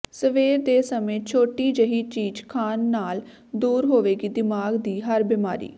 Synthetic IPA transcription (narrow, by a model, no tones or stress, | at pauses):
səʋeːɾd̪eːsəmẽːt͡ʃʰoːʈiːd͡ʒəɦiːt͡ʃiːd͡ʒkʰaːnːaːl | d̪uːɾɦoːʋeːɡiːd̪ɪmaːɡd̪iːɦəɾbɪma̰ːɾḭː